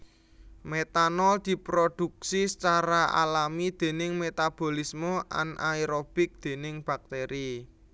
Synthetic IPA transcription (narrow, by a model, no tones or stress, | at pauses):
met̪anɔld̪̥i̤pɾod̪̥uk̚sist͡ʃaɾaʔa̰lamid̪̥e̤nɪŋmet̪ab̥o̤lismɔʔa̰nʔaiɾob̥ɪk̚d̪̥e̤nɪŋb̥a̤k̚t̪eɾi